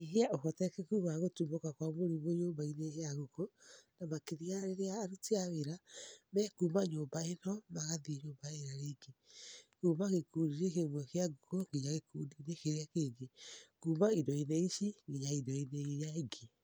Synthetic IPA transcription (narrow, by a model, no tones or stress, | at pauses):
iɦeaʔohɔtɛkekuːmaɣotumokakwamoɾimoɲoːbaineheaɣukonamakeðiaɾeɾeaːɾuteaweɾamɛːkuːmaɲoːmbaenɔmaɣaðieɲoːmbaeɾaɾeːŋɡekuːmaɣekuːɾiɾekemwɛkeaɡukoŋɡeɲaɣekuːdinekeɾeakeɡekuːmaidɔineisiŋɡeɲaidɔineijaeɡe